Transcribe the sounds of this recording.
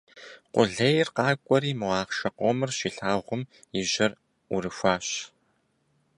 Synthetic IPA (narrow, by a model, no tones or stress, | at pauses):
qʷʊ̰ɮɐjɪrqɑːkʷʼɔɾiːmɨʁɑːχʃɐqʷomɨrɕiːɬaːʁʷʊm | iʑɐr | ʊrɨxʷaːɕ